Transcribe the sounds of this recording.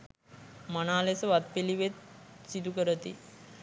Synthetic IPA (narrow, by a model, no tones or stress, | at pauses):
manaːlesəʋat̪̚peliʋet̪sid̪ukəɾət̪ḭ